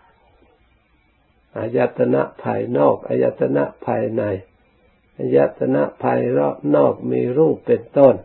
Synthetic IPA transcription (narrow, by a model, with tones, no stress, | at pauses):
ʔa˧ja˧t̪ʰːa˧na̰˧˥ʔpʰaː˧jnɔː˥˩k̚ʔa̰˧ja˧˥t̪ʰːa˧na˦˧˥ʔpʰaː˧jna˧j | ʔa˧ja˧t̪ʰːa˧na˧˥ʔpʰaː˧jɾnɔː˥˩k̚miː˧ɾuː˥˩pːe˧nt̪o˥˩˨n